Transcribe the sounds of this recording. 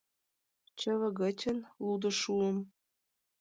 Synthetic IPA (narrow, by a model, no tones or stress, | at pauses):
t͡ɕə̆βɤ̆ɣə̆t͡ɕʲə̆nlud̪ɤ̆ʃuə̆m